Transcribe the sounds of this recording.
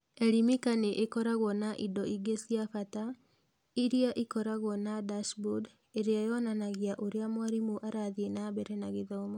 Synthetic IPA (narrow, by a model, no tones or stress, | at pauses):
eɾimikaneʔekɔɾaɣwɔnaʔidɔiɡesiafata | iɾiaʔikɔɾaɣwɔnadaʃbud | eɾeajɔnanaɣiaʔoɾeamwaɾimoʔaɾaðienabɛɾɛnaɣeðaomo